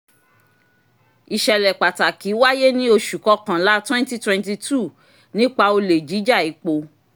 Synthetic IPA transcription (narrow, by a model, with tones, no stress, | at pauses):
i˨ʃɛ˨lɛ˨k͡pa˨ta˨ki˨˦wa˦je˦nĩ˦o˧ʃu˨kɔ˧kã˨la˨˦twɛ̃˦n˦ti˦twɛ̃˧nti˧tu˦˨ | nĩ˦k͡pa˧o˧le˨d͡ʒi˨˦d͡ʒa˦˨i˨˦k͡po˧